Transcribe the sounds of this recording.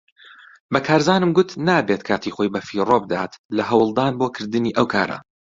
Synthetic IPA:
bɐkʰaːɾzaːnɨmɡʊt̪naːbeːt̪kʰaːt̪ʰiːχojbɐfiroːbd̪aːt̪lɐɦɐwɨlˠd̪aːnboːkʰɨɾd̪ɨniːʔɐwkʰaːɾɐ̰

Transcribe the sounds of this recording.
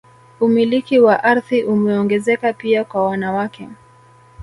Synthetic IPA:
umilikiwaʔaɾðiʔumɛɔŋɡɛzɛkapiakwawanawakɛ

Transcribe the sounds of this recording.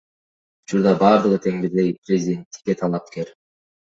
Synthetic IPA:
ut͡ʃuɾd̪ɑbɑːɾd̪ɯʁɯt̪ʰe̞ŋbiɾd̪e̞jpɾʲezʲid̪ʲe̞nt̪ːi̥kʲkːet̪ʰɑlˠɑp̚keɾ

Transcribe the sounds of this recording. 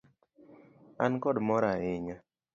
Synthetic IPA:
a̰nkɔdmɔɾaɪɲa

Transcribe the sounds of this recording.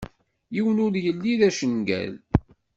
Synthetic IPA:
jiwənʊɾjəlːiðæʃənɡæ̰l

